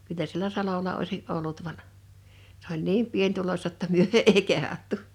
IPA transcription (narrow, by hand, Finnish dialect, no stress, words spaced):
kylːæ sielæ sɑlolɑ oisiʔ ʔolːut ʋɑn s olʲ niːm pienʲtulosʲtɑ tːɑ myø eˑi kehɑtːu